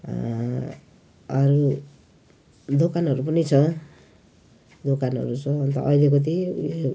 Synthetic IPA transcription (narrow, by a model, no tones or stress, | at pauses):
ʌɾu | d̪okanɦʌɾupʌnit͡sʰʌ | d̪okanʌ̰ɾut͡sʰʌːnt̪ʌ̰ʔʌilekʌt̪̬i